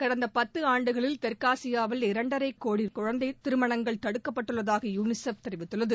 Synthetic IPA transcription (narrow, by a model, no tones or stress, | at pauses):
kɐɽɐnd̪ɐpɐt̪ːɯaːɳɖɯɣɐɭɪlt̪ɛɾkaːsɪjaːʋɐlɪɾɐɳɖɐɾɐɪkːoːɽiɾkʊɻɐnd̪ɐɪt̪ɪɾɯmɐɳɐŋɡɐɭt̪ɐɽɯkːɐpːɐʈːɯɭːɐðaːɣɐjuːnɪsɐft̪ɛɾɪʋɪt̪ːɯɭːɐðɯ